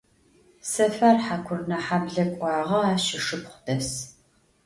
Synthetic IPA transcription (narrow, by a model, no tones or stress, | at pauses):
sɐfarħakʷʰʊrnɐħabɮɐkʷʼɑːʁɐaːʃɪʂɨpχʷʊdɐs